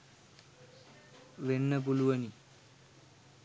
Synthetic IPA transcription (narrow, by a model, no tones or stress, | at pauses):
ʋenːɐp̬uluʋɐni